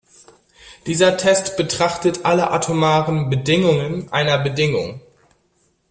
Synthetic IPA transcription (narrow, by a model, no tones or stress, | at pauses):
d̥iːzɐtʰɛstb̥ətʁ̥aχtətʰʔaləʔa̰tʰomaːʁənbədɪŋʊŋənʔaɪnɐbədɪŋʊ̰ŋ